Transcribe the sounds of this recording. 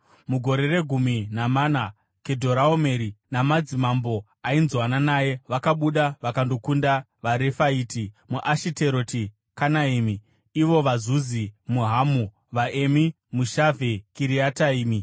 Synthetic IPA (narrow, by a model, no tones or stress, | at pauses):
muɡʱo̞ɾe̞re̞ɡʱuminamana | ke̞dʱo̞ɾaome̞ɾinamad͡zimambo̞ | ainzwananaːje̞ʋakaɓuɗaʋakando̞kunda | ʋaɾe̞faiːtimuʔaʃiteɾoti | kanaimiː | ʋo̞ʋazuzimuɦamu | ʋaʔe̞mi | muʃave̞kiɾiataiːmi